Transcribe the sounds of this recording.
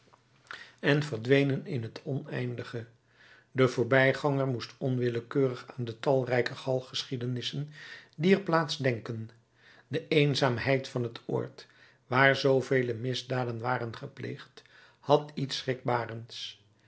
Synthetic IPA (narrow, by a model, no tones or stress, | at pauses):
ɛnvəɹdʋejnənɪnɦətɔnɛ̰jndəχə | dəvʊːɹbɛjχɑŋərmustɔnʋɪləkøːrəχaːndətɑlˠrɛjkəχɑlˠχəsχidənɪsəndiəɹplaːtzdɛŋkən | dəʔejnzaːmɦɛjtfɑnɦətʊ̰ːɹt | ʋaːɹzowvejləmɪzdaːdənʋaːrənχəplḛjχt | hɑtitsrɪɡ̚baːrəns